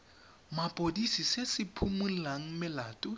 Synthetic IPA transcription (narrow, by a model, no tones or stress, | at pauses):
mapʼodisisesɪpʰumulaŋ̩mɪlaːtʼʊ